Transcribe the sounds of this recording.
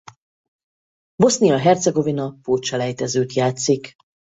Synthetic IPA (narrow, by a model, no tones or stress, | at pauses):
bo̞snijɒɦɛrt̪sɛɡo̞vinɒpoːt͡ʃɒlɛjt̪ɛzøːt̪jaːt̪sik